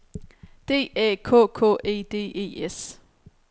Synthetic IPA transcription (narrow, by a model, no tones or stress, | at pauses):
d̥e̝̰ːɛ̰ːkʰɔ̰ːkʰɔ̰ːe̝̰ːd̥e̝̰ːe̝̰ːes